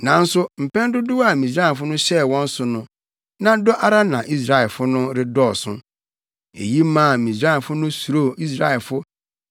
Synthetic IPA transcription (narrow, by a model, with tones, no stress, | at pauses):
nã˨n̩˦sʊ˦m̩˨pʰɛ̃˦n˦dʊ˦dʊ˦wa˨mĩ˨sɾa˦˨fʊ˦nʊ̃˦ɕɛ˦˨wɔ̃˦n̩˦sʊ˨nʊ̃˦ | nã˦dɔ˦ʔa˦ɾa˦nã˨ʔi˦s̬ɾa˦ɛ˨lfʊ˦nʊ̃˦ɾɪ˦dɔː˦˨sʊ̰̃˦ | ḛ˨ji˦mã˦˨mĩ˨sɾa˦ɛ˨fʊ˦nʊ̃˦su˨ɾo˦˨i˦s̬ɾa˦ɛ˨lfʊ˦